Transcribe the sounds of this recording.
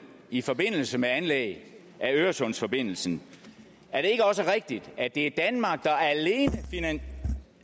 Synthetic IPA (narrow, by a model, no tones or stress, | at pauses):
ifɒ̽be̝n̰l̩səmeænlḛɪ | ʔæøːɐsɔ̽nsfɒ̽b̥e̝n̰l̩sn̩ | æɐɾe̝e̝ɡ̥əɒ̽s̬əʁeɛɡ̥̚d̥id̥æd̥e̝æd̥ænmɑ̈ɡ̥̚d̥ɑ̈æle̝ːnəfinæ